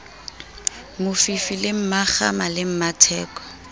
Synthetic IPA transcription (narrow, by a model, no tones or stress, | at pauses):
mʊfifilɪm̩maχa̰malɪm̩matʰɛːkɔ̥